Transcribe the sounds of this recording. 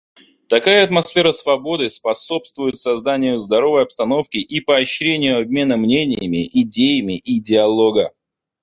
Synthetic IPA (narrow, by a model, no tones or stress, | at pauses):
t̪ɐkajəɐt̪mɐsfʲe̞ɾəsvɐbo̞d̪ɨspɐso̞pst̪vʊjɪt̪sɐzd̪anʲɪjʊzd̪ɐɾo̞vəjɐpst̪ɐno̞fkʲɪʔipəɐɕɾʲenʲɪjʊɐb̚ʲmʲe̞nəmnʲenʲɪjəmʲɪʔɪdʲejɪmʲɪʔidʲɪɐlˠo̞ɡə